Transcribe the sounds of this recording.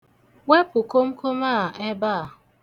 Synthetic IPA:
we˦pʊ˨ko˦m̩˦kʰo˦maː˦˨e˦ba˦˨

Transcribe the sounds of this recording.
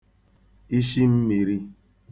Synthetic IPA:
i˦ʃi˦m̩˦mi˨ɾi˦

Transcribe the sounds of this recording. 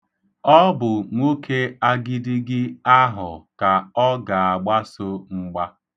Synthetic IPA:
ɔ˦bʊ˨ŋʷo˦kʰe˦a˦ɡɪ˦dɪ˦ɡɪ˦a˦ɦʊ˨ka˨ɔ˦ɡa˨a˨ɡ͡ba˦so˦ŋ͡m̩˦ɡ͡ba˦

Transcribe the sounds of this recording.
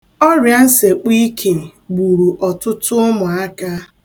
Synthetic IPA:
ɔ˦ɾja˦n̩˦se˨k͡pi˦kʰe˨ɡ͡bu˨ɾu˨ʔɔ˨tʊ˦tʊ˦mʊ˨a˦ka˦

